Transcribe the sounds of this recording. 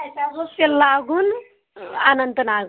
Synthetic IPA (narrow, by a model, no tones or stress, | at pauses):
saboselaɡuːn | anənt̪ənaɡ